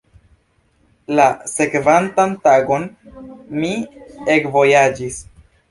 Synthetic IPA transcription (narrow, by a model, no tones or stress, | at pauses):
lase̞kvantantaɡo̞n | miekvo̞jad͡ʒis